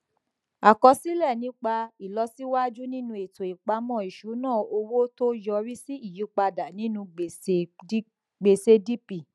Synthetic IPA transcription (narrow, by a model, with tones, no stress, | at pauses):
a˨kɔ˧si˦lɛ˦˨nĩ˨˦k͡pa˧i˨lɔ˧si˦wa˦d͡ʒu˦nĩ˦nũ˧e˨to˨i˨k͡pa˧˦mɔ̃˦˨i˨ʃu˨˦nãː˦˨o˧wo˦to˦jɔ˧ɾi˦si˦i˦˨ju˨˦k͡pa˧da˨nĩ˦nũ˧ɡ͡be˨se˧˦ | ɡ͡be˨se˧di˦pi˨